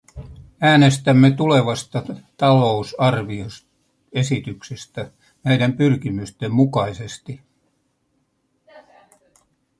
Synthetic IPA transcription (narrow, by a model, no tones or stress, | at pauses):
æːne̞st̪æmːet̪ule̞ʋɑst̪ɑt̪ɑlo̞usɑrʋios | e̞sit̪yksest̪æ | nejdæmpyrkimyst̪e̞mmukɑjse̞st̪i